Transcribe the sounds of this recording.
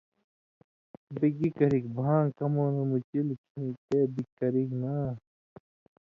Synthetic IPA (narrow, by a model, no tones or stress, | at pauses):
biɡikɐɾikbʱãːŋkɐmoːnɐmut͡ɕilkʰiĩt̪eːbikɐɾiknaː